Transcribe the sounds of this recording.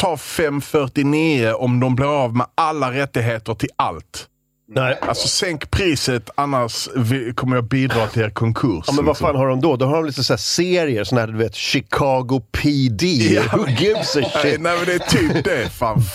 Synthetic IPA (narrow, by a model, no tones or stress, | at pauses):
t̪ʰɑːfɛmːfœʈɪniːəʔɔmd̪ɔmbliːɾɑvmɛalːaɾɛt̪ːɪɡɦeːt̪əɾʈʰɪla̰lt̪ | ɛʔa̰lsɔsɛŋkpʰɾiːsət̪anːaʂvɪkʰɔmːəɾjɑːɡ̚biːd̪ɾɑːt̪ʰɪleːɾkʰɔŋkʰɵɾsmmɛnvaɾfaːnɦaɖɔmd̪ɔd̪ɔɦaɖɔmliːt̪əsɔæːseːɾɪəɾsɔnahæːd̪ɵʋeːt̪ɕɪkʰɑːɡʊpʰid̪iɡʉːbsɛnɛɪmɛnd̪ɛæt̪ʰiːpd̪ɛfan